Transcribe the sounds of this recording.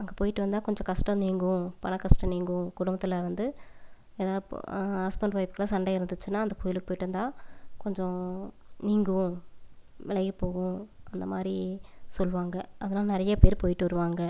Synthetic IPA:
ɐŋɡɐpoːjɪʈːɯʋɐnd̪aːkɔɲd͡ʒɔ̃kɐʂʈɐ̃niːŋɡʊ̃pɐnɐkɐsʈɐ̃niːŋɡʊ̃kʊɽʊmbɐt̪ːɪlɐʋɐnd̪ɯ | eːðaːðɯɐspɐɳɖpaːɪpːɯ̥kːɐlaːsɐɳɖɐɪɾɯnd̪ɯt͡ʃːɯnːaːɐnd̪ɐkoːjɪlɯkːɯpoːjɪʈːɐʋɐnd̪ãːkɔɲd͡ʒɔ̃ | niːŋɡɯ̃ | ʋɛlɐjɯpoːɣʊ̃ɐnd̪ɐmaːd̪ɾisɔlːʋaːŋɡɐʔɐðɐnaːlɐnɪɾɐjɐpeːɾpoːjɪʈːɯʋɐɾɯʋaːŋɡɐ

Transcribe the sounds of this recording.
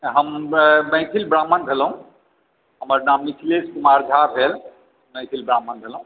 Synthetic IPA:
ɦəmmə̃jk̪ʰilbɾamːənbʱelɦũ | ɦəməɾnamnikʰleskumaɾd͡ʒʱabɦel | mə̃jkʰilbɾamːənbʱelũ

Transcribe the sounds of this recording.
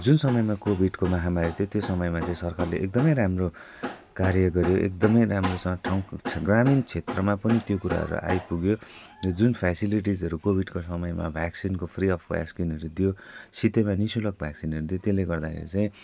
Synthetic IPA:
d͡zunsʌmʌjmakobʱiɖkomʌɦamaɾit̪ʰjot̪josʌmʌjmat͡sãĩsʌrkarleʔek̚d̪ʌmʌjɾamro | kaɾjʌɡʌɾjoʔḛk̚d̪ʌmʌjɾamrosʌŋʈʰawkʰɡramint͡sʰet̪rʌmapʌnit̪jokuɾa̰ɦʌ̰ɾṵʔa̰jpuɡjoʌd͡zunpʰasiliʈ̬id͡zʌɾukobʱiɖkosʌmʌjma̰bʱaksinkopʰriʌpʰba̰skinʌɾud̪ijosit̪emanisulʌk̚bʱjaksinɦʌɾud̪ijot̪eleɡʌrd̪akʰḛɾḭt͡saĩ

